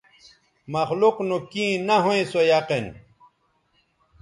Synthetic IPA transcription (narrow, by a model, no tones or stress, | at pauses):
mɐxluqnukĩːnɐɦuẽsojaqin